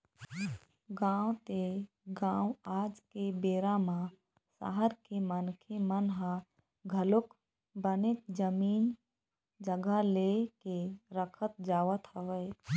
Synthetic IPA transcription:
ɡãːwt̪e | ɡãːwaːd͡ʒkebeːɾamã | sa̰ɦəɾkemənkʰemənɦã | ɡʱəlʊk | bənet̪d͡ʒəmiːn | d͡ʒəɡalekeɾəkʰət̪̚d͡ʒaːʋət̪ɦəʋəj

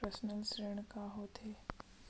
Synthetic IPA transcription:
ɾəsnəlsɾeɳ̃kaɦoːt̪ʰe

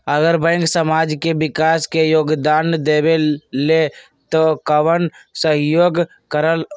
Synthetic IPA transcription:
əɡəɾbə̃ɪ̃ŋksəmad͡ʒkebɪkaskejoːɡd̪and̪ebele | t̪okəʋənsəɦjoːɡ | kəɾəl

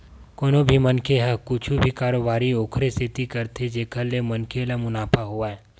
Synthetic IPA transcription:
koːnobʱimɐnkʰeɦɛkʊt͡ʃʰubʱikaːɾobaːɾioːkʰɾesɪt̪ikɐɾt̪ʰed͡ʒeːkʰəɾlemɐnkʰelemʊnaːpʰaɦuaɦɛ

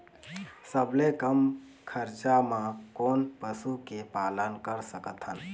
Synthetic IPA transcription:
səblekəm | kʰəɾt͡ʃamãkoːnpəsukepaːlənkəɾsəkət̪ʰɦən

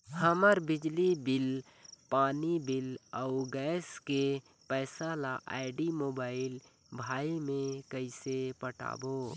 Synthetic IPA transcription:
həməɾbɪd͡ʒlibɪl | paːnibɪləʊɡɛːske | pɛːsalaʔa̰ɪɖimoːbaːɪl | bʱaːimẽkəɪsepəʈa̰ːbo

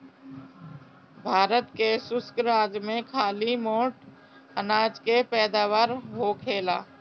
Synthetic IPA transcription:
bʱaːɾət̪kesʊskɾaːd͡ʒmẽkʰaːlimoːʈ | ənaːd͡ʒkepɛːd̪aːʋaːɾɦokʰeːlaː

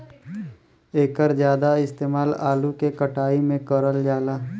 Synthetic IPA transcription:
eːkəɾzjaːd̪aɪst̪eːmaːlaːlukekəʈʰaːimẽkəɾəld͡ʒaːlaː

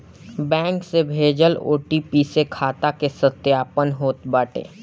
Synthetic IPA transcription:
bɛ̃ːŋksebʱeːd͡ʒəlo̰ːʈipiːsekʰaːt̪akesət̪jaːpənɦoːt̪baːʈḛː

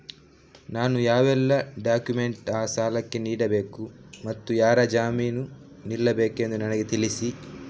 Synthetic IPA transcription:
naːnujaːʋɛlːɐɖaːkjume̞ɳʈaːsaːlɐkːe̞niːɽɐbeːkumɐt̪ːujaːɾad͡ʒaːmiːnu | nilːɐbe̞ːkue̞nd̪unɐnɐɡet̪iɭisi

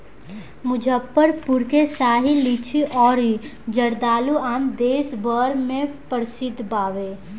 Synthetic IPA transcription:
mʊd͡ʒʱəpːəɾpʊɾkesaːɦilit͡ʃʰiʔɔːɾid͡ʒəɾd̪aːluaːmd̪eːsbəɾmẽpəɾsɪd̪ʱbaːʋe

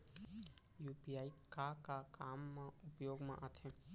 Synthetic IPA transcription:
jupijaikakakamːãʊpjoɡmã̰ʔat̪ʰẽ

